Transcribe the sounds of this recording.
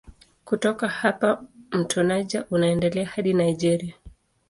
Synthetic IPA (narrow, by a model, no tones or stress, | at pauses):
kutɔkahapam̩tʰɔnaʄaʔunaɛndɛlɛahaɗinaiʄɛɾia